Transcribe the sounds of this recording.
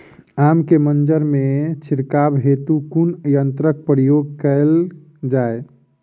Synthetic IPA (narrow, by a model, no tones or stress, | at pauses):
amkemənd͡ʒəɾmet͡ʃʰiɾkabɦet̪ukunjənt̪ɾək̚pɾijoɡ̚kəl | d͡ʒae